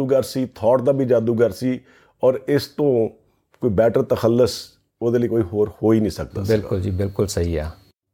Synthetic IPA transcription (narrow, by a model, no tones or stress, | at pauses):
uːɡəɾsiːt̪ʰɔːʈd̪aːbʱiːd͡ʒaːd̪uːɡəɾsiː | ɔːɾɪst̪õː | koːiːbɛːʈəɾt̪əxəlːəs | oːd̪eːləiːkoːiːɦoːɾhoːiːnĩːsək̚d̪a̰ːbɪlkʊld͡ʒiːbɪlkʊlsəɦiːɛː